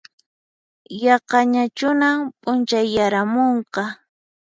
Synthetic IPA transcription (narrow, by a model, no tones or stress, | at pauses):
jɑqɑɲat͡ʃʊnampʼʊnt͡ʃajːaɾamoɴqɑ